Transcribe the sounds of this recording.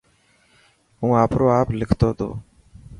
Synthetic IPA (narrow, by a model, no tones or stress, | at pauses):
ɦũːaːpɾoːaːplɪkʰt̪oːt̪ʰo̰ː